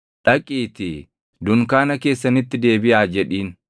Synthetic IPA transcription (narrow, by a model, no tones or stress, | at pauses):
ᶑɐkʼiːt̪ɪ | d̪ʊŋkaːnɐke̞ːsːɐnɪt̪ːɪd̪e̞ːbɪʔaːd͡ʒɛᶑiːn